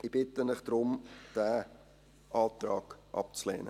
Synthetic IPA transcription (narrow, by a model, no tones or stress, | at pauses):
ib̥ɪtənɪχd̥ɾʊmd̥æː | ɑːtrɑːɡ̥ʔɑ̰p̚t͡slḛːnə̰